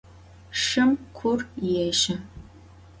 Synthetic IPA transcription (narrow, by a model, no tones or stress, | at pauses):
ʂɨmkʷʰʊrjɛːʃɐ